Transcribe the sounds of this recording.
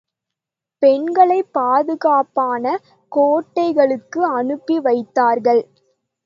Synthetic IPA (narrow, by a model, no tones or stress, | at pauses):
pɛnɡɐɭɐɪpːaːðɯɣaːpaːnɐ | koːʈːɐɪɣɐɭɯkːɯɐnɯpːiʋɐɪt̪ːaːɾɣɐɭ